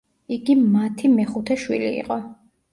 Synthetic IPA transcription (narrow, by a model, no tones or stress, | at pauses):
iɡimat̪ʰimɛχut̪ʰɛʃwḭlḭːqʼɔ